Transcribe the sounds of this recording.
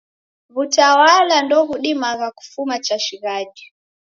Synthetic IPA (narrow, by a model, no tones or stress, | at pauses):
vutawalandɔɣuɗimaɣaku̥fumat͡ʃaʃiɣaʄi